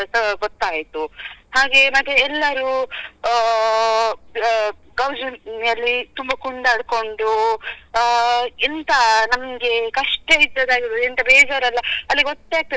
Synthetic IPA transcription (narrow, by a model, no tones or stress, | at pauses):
sɐɡɔt̪ːaːjt̪uhaːɡe̞mɐt̪ːeɛlːɐɾu | ɡɐwd͡ʒɐjɐlːit̪umbɐkuɳɖɐɐɽko̞ɳɖu | int̪ɐnɐmɡe̞kɐʂʈeid̪ːɐd̪aːɡiɾod̪int̪ɐbɛːd͡ʒaːɾɐlːɐɐlːiɡɔt̪ːeaːɡ̚t̪i